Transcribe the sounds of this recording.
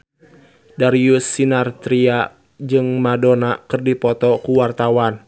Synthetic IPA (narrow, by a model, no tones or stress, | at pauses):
daɾiusːinart̪ɾia | d͡ʒɨŋmadonakɨrdipɔt̪ɔkuwart̪awan